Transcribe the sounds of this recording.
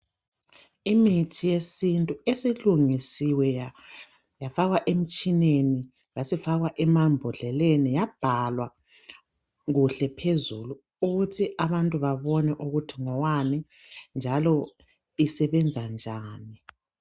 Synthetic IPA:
imitʰijesintʼuesiluŋisiwɛ | jafaɣwaʔem̩t͡ʃʼineni | ɣasifaɣwaʔɛmambʱɔɮɛlenijab̥ʱalwa | ɣuɬɛpʰezuluː | ɣutʰiʔaβantʼuβaβɔnɛʔuɣutʰiŋɔwanɛ | nd͡ʒʱalɔ | isɛβɛnd͡zʱand͡ʒʱaːni

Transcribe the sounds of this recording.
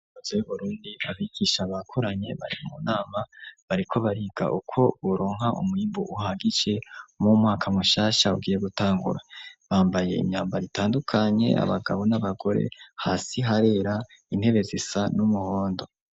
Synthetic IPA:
ozojuβuɾuːndiaβiɡ̥iʃaβakʰoɾaɲe̞βa̰ɾḭmumunaːmaβaɾikʰo̞βaɾiːɡ̥a̰ʔukʰo̞βoɾo̞ːŋɦaʔṵmwiːmbuʔuhaɡid͡ʒe̞mumŋaːkʰamuʃaːʃauɡiːje̞ɡutaːŋɡṵɾaβaːmbaje̞̰ḭɲɲaːmbaɾitaːndukʰaɲe̞̰a̰βaɡaβo̞naβaɡo̞ɾe̞̰haːsiɦaɾe̞ːɾa | in̥he̞βe̞zisanumuho̞ːndo̞

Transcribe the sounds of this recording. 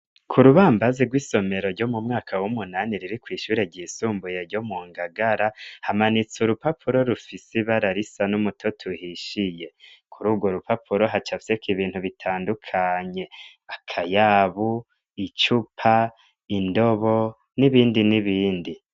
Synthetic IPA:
kʰuɾuβaːmbaziɡwiːso̞me̞ɾo̞ɾɟo̞mumŋaːkʰawumunaniɾiɾikwiːʃuːɾe̞ɾɟiːsuːmbuje̞ɾɟo̞muŋɡaɡaɾahamanit͡suɾupapʰuɾo̞ɾufisiβaɾaɾisanumutʰo̞tʰuhiʃije̞kʰuɾuːbɡwo̞ɾupapʰuɾo̞ɦat͡ʃafi̥sekiβiːnhuβitʰaːndukʰaɲe̞ | akʰajaβu | it͡ʃupʰa | indo̞βo̞ | niβiːndiniβiːndi

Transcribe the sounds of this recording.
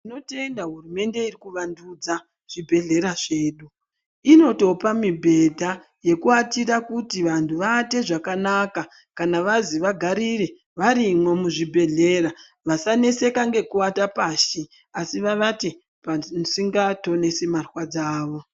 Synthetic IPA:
ino̞te̞ndaɦurume̞nde̞irikuʋandud͡za | ʐ̥ibʱe̞ɮe̞ɾaʐe̞ːɗu | ino̞to̞pamibʱe̞dʱa | je̞kuatiɾakutiʋantʰuʋaːte̞ʐakanaka | kanaʋaziʋaɡʱaɾire̞ | ʋaɾimwemuʐibʱe̞ɮe̞ɾa | ʋasane̞se̞kaŋɡe̞kuatapaːʃi | asiʋaʋate | pansiŋɡato̞ne̞semarwad͡zaːʋo̞

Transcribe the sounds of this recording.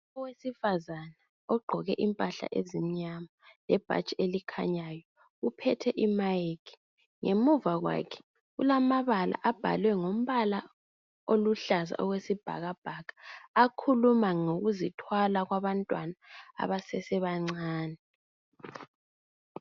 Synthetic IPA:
ɔwesifazana | ɔɡ͡ǃʱɔɣɛʔimpʼaɬa̰ʔḛzim̩ɲamalɛb̥ʱa̰t͡ʃʼielikʰa̰ɲajɔ | upʰɛtʰɛʔimajekʰi̥ | ŋemuvaɣwa̰kʰɛ̥ | ɣulamaβala̰ʔab̥ʱa̰lwɛŋom̩βala | oluɬaza̰ʔɔɣwesib̥ʱa̰ɣab̥ʱakʰḁːkʰulumaŋoɣuzitʰwalaɣwaβantʼwanaa̰βasɛsɛβaŋ͡ǀaːnɛ

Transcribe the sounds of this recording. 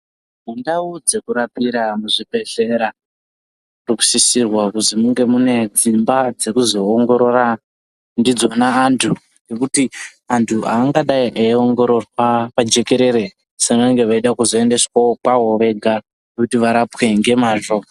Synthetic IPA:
mundaud͡ze̞kuɾapiɾamuʐibʱe̞ɬe̞ɾa | ruku̥sisirwakuzimuŋɡe̞mune̞d͡zimbad͡ze̞kuzo̞ːŋɡo̞ɾo̞ɾa | ndid͡zo̞naːntʰu | ŋɡe̞kutiantʰuʔa̰ːŋɡaɗaiʔaioŋɡo̞ɾo̞rwapad͡ʒe̞ke̞ɾe̞ɾe | senaŋɡe̞ʋaiɗakuzo̞e̞nde̞swaokaɦo̞ʋe̞ɡʱa | ekutiʋaɾapwe̞ŋɡe̞maʐoa

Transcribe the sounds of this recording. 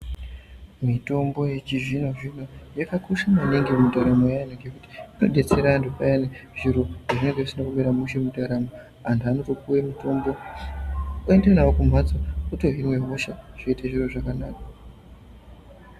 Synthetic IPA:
mito̞mbo̞jet͡ʃiʐinoʐino̞jakakuʃamaniŋɡemutaɾamojajneŋɡekuti̥ino̞̰ɗe̞t͡se̞ɾandupajaneʐ̥iɾo̞ʐaʐine̞ŋɡeʐisinakuɓeɾamuʃe̞mudaɾamo | antuano̞to̞kuwemito̞mbo̞ | uendenawokum̤wad͡zauto̞ɦinwe̞ɦoʃaʐ̥o̞itaʐiro̞ʐakanaːka

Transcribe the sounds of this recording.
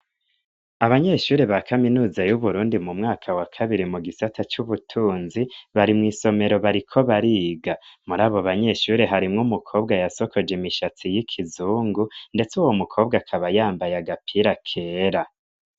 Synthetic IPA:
aβaɲe̞ːʃuːɾeβakʰaminuːzajuβuɾuːndimumŋaːkʰawakʰaβiɾimuɡisatʰat͡ʃuβutʰuːnziβaɾimŋiːso̞me̞ɾo̞βaɾikʰo̞βaɾiːɡamuɾaːβo̞βaɲe̞ʃuːɾe̞ɦaɾimŋumukʰo̞ːb̚ɡajaso̞kʰo̞d͡ʒemiʃat͡sijikʰizuːŋɡunde̞t͡suwo̞mukʰo̞ːb̚ɡakʰaβajaːmbajaɡapʰiɾakʰe̞ːɾa

